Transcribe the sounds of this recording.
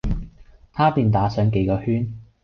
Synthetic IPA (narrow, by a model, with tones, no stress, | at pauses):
t̪ʰaː˥piː˨˧nt̪aː˨˥sœː˨˧ŋke˨˧jkɔː˧hyː˥n